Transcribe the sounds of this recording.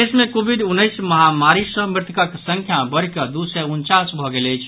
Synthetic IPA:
esmekobʱiɖunːəjsməɦamaɾisə̃mɾɪt̪kəksəŋkʰjabəɽ̤kəd̪usɛunt͡ʃasbʱɔɡeləɪt͡ʃʰ

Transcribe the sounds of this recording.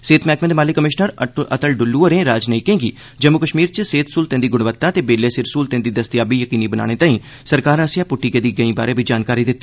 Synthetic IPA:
seːt̪mɛːkmẽːd̪maːlɪkːəmɪʃnəɾət̪əlɖʊlːuːəɾẽːɾaːd͡ʒnəĩːkẽːɡiː | d͡ʒəmːʊkəʃmiːɾt͡ʃseːt̪ʰsuːlt̪ẽːd̪iːɡʊɽʋət̪ːãːt̪eːbeːleːsɪɾsuːlt̪ẽːd̪iːd̪əst̪jaːbiːjəkiːniːbəna̰ːɽ̃eːt̪aːĩː | səɾkaːɾasjãːpʊʈːiːkeːd̪iːɡəĩːba̰ːɾeːbiːd͡ʒaːnkaːɾiːd̪ɪt̪ːiː

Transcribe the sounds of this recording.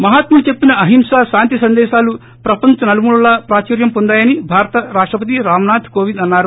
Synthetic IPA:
mɐɦaːt̪mɐnut͡ʃe̞pːinɐɐɦimʂaːʃaːnt̪isɐnd̪ɛːʃaːlu | pɾɐpɐɲt͡ʃɐnɐlɐmuːɽulaːpɾaːt͡ʃɐːɾjɐmpond̪aːjɐnibʱaːɾɐt̪ɐɾaːʂʈɾɐpɐt̪̬iɾaːmnaːt̪ʰkoːʋind̪ɐnːaːɾu

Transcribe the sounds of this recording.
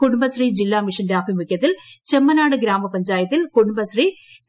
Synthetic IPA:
kuɽumbɐɕriːd͡ʑilːaːmiʂɐndeaːpimukʲːɐt̪ːilt͡ɕemːɐnaːɽɨɡɾaːmɐpɐɲd͡ʑaːjɐt̪ːilkuɽumbɐɕriː | s

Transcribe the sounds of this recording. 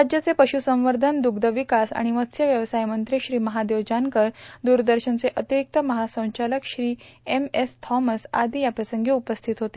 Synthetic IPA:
ɾad͡ʑjət͡sepəɕusə̃ʋəɾd̪ʱənd̪uɡd̪əʋikasa̰ɽ̃imət̪sjəʋjəʋsajmənt̪ɾiɕɾiːməɦad̪eʋd͡ʑankəɾd̪uɾd̪əɾɕənt͡seʔət̪iɾik̚t̪əməɦasə̃w̃t͡ɕaləkɕɾiːemest̪ʰɔməsa̰d̪ʱiːjapɾəsəŋɡeupəst̪ʰit̪ɦot̪eː

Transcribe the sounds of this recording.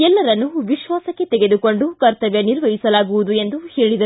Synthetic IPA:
ɛlːɐɾɐnːuʋiʃʋaːsɐkːe̞t̪ɛɡe̞d̪uko̞ɳɖukɐɾt̪ɐʋjɐniɾʋɐɦisɐlaːɡuʋud̪ue̞nd̪uheːɭid̪ɐ

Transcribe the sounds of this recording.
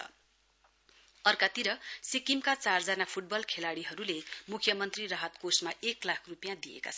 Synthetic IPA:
ʌ̰ | ʌrkat̪iɾʌsikimkat͡sard͡zanapʰuʈ̚bʌlkʰelaɽiɦʌɾulemukʰjʌmʌnt̪rirʌɦʌt̪kosmaʔeklakʰrupjãd̪iḛka̰t͡sʰʌ

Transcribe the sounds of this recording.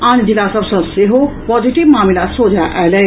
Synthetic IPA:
andilasəbsə̃seɦopɔd͡ʒiʈibmamilasod͡ʒʱaʔalɛ

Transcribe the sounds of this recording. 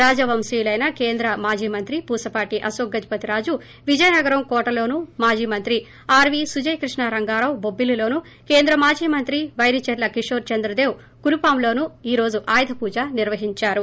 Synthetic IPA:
ɾaːd͡ʒɐʋɐmsijulɐjnɐkeːnd̪ɾɐmaːd͡ʒiːmɐnt̪ɾipuːsɐpaːʈiʔɐsoːɡːɐt̪ipɐt̪iɾaːd͡ʒu | ʋid͡ʒɐjnɐɡɐɾɐmkɔːʈɐlo̞ːnumaːd͡ʒiːmɐnt̪ɾi | aːɾʋisud͡ʒɐjkɾiʂɳɐɾɐŋɡaːɾɐwbobːililo̞ːnu | ke̞ːnd̪ɾɐmaːd͡ʒiːmɐnt̪ɾiʋɐjɾit͡ʃɐɾlɐkiʂoːɾt͡ʃɐnd̪ɾɐd̪eːw | kuɾupaːmlo̞ːnuiːɾo̞ːd͡ʒuʔaːjd̪ʱɐpuːd͡ʒaːniɾʋɐɦiɲt͡ʃaːɾu

